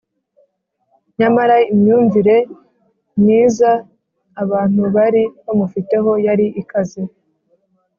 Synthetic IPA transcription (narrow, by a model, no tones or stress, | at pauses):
ɲamaɾaimɲuːɱviɾe̞ | nniːzaː | βaːn̥uβaɾiβamufite̞ɦo̞jaɾiʔikazi